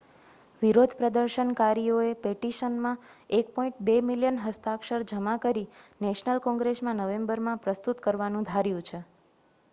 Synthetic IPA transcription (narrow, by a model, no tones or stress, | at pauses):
ʋiɾod̪ʱpɾəd̪əɾʃənkaɾijoepeʈiʃənmãek̚pɔ̃ĩɳʈ̚bemiljənɦəst̪akʃəɾd͡ʒəmãkəɾinɛʃnəlkɔ̃ŋɡɾesmãnəʋembəɾmãpɾəst̪ut̪kəɾʋanũd̪ʱaɾjũt͡ʃʰe